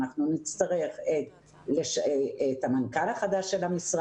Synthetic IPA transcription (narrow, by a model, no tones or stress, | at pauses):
aχnunit͡st̪aʁe̞χet | leʃethamankalaχadaʃːe̞lamisʁ